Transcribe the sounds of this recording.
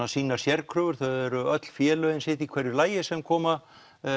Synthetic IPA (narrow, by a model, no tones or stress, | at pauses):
asiːnaɾ̥sjɛrkʰɾʏːvʏɾ̥θœɥɛɾʏœt̪l̥fjɛːlʏɪnsɪht̪ikʰvɛɾjʏlaːjɪsɛmkʰɔːma